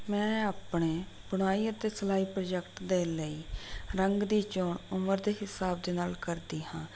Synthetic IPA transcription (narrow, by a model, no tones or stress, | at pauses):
mɛ̃ːaːpɳeː | bʊɽ̃aːiːəɾt̪eːsəlaːiːpɾoːd͡ʒɛkʈd̪eːləiːɾəŋɡd̪iːt͡ʃoːɳʊməɾd̪eːɦɪsaːb̚d̪eːnaːlkəɾd̪iːhãː